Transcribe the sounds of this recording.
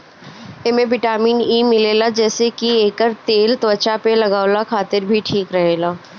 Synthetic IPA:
eːmẽʋɪʈaːmiːniːmɪleːlad͡ʒɛːsekieːkəɾt̪eːlt̪ʋət͡ʃapelɐɡaːolakʰaːt̪ɪɾbʱiʈʰiːkɾɐɦeːlaː

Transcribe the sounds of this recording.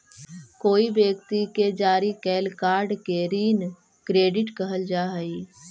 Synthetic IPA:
koːibjəkt̪iked͡ʒaːɾikɛːlkaːɾɖkeɾiːn | kɾeːɖɪʈkəɦəld͡ʒaːɦəi

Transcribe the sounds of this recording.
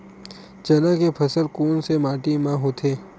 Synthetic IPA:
d͡ʒɐnãkepʰɐsəlkuːnsemaːʈimãɦoːt̪ʰeː

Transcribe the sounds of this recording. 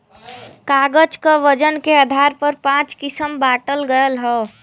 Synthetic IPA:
kaːɡəd͡ʒkaʋəd͡ʒənkead̪ʱaːɾpəɾpãːt͡ʃkɪsəmbaːʈəlɡəjəlɦɛ

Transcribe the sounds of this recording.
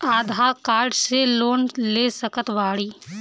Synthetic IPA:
aːd̪ʱaːkaːɾɖseloːnleːsəkət̪ʋaːɽiː

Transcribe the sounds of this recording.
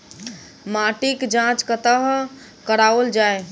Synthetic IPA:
maʈikd͡ʒãt͡ʃkət̪əɦ | kəɽaəld͡ʒae

